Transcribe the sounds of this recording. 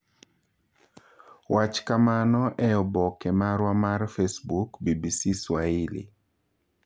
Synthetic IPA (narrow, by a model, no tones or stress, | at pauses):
wat͡ʃkamanɔʔɛɔbɔkɛmaɾwamarfesbukbibisiswailḭ